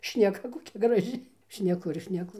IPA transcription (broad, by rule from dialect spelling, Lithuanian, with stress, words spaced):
ʃʲnʲɛˈkɐ koːˈkʲɛ ɡrɐˈʒʲɪ ʃʲnʲɛˈkʊ ɪr ʃʲnʲɛˈkʊ